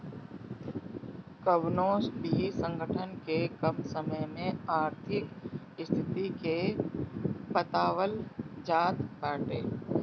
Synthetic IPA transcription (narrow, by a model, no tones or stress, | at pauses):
kəʋnoːsbʱisə̃ŋɡʱəʈʰənkekəmsəməjmẽaːɾt̪ʰɪk | ɪst̪ʰɪt̪ike | pət̪aːʋəld͡ʒaːt̪baːʈeː